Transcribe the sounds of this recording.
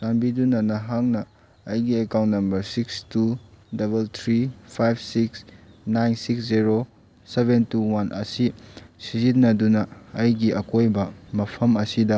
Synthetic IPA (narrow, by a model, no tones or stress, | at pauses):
sanbidunɐnɐɦaŋnɐː | jɡiekawntnɐmbɐɾsikstudɐbeltʰɾipʰajb̚siksnajnsiksziɾo | sebentuwanʔɐ̰sisizit̚nɐdunɐːjɡiʔɐkojbɐmɐpʰɐmɐsidɐ